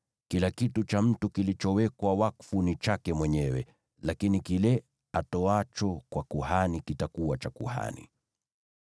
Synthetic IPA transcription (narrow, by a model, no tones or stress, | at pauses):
kilakitut͡ʃam̩tukilit͡ʃɔwɛkwawakfunit͡ʃakɛmwɛɲɛwɛ̰ | lakinikilɛ | atɔat͡ʃɔkwakuhanikitakuwat͡ʃakṵha̰nḭ